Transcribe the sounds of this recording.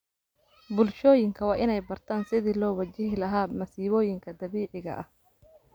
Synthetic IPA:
bʊlʃɔːjɪŋkʰɐwɑːʔɪnɛjbɐrt̪ʰaːnsɪðiːlɔːwɐt͡ʃɪɦɪlɐɦaːmɐsiːβɔːjɪŋkʰɐd̪ɐβiːʕɪɣɐ̰ʔɐ̰h

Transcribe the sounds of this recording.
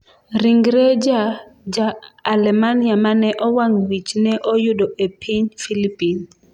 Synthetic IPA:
ɾiŋɡɾed͡ʒad͡ʒaːlɛmaniamanɛʔɔwaŋwit͡ʃnɛʔɔjʊdɔʔepʰiɲfilipin

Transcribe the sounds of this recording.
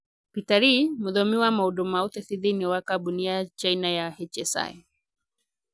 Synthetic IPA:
pitaɾimuðɔmiwamauɗumauθɛθiðiniwakaɓuniat͡ʃainajahɛt͡ʃɛsa̰ɛ

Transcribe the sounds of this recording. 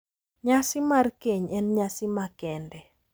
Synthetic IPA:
ɲasɪmarkeɲɛnɲasɪmakɛndɛ

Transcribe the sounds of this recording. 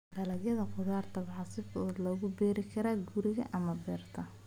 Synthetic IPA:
ɖɐlɐdjɐðɐqʊðaːrt̪ʰɐβɑʕɑsɪfːd̪lɔːɣʊbɛːɾɪkʰɐɾaːɡuɾɪɣɐʔʔɐmɐbɛːrt̪ʰɐ

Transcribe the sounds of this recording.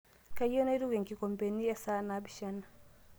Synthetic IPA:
kajːɔnajduɡɛŋkikɔmpeniɛsanabiʃanːa

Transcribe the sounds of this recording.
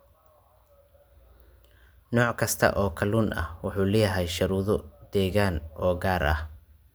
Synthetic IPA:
nɔːʕkʰɐst̪ʰɐ̰ʔɔːkʰɐlunʔɐ̰hwʊħuːlɛːjɐɦɛjʃɐɾuːðɔd̪ɛːɣaːnʔɔːɡaːɾʔɐ̰h

